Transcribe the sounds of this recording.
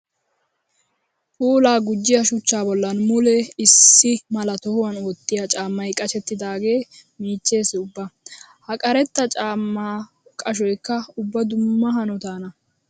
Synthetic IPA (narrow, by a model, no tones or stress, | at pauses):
pʼuːlaːɡʊd͡ʒːɪjɐʃʊt͡ʃːaːbɔlːɐnmʊlɛɪsːɪmɐlɐt̪ɔhʊwɐnoːt̪ːɪjɐt͡ʃʼaːmːɐjkʼɐt͡ʃɛt̪ːɪd̪aːɡe̞ːmiːt͡ʃːe̞ːsɪʊbːɐ | hɐkʼɐɾɛt̪ːɐt͡ʃʼaːmːaː | kʼɐʃ̬ɔjkːɐʊbːɐd̪ʊmːɐɦɐnɔt̪aːnɐ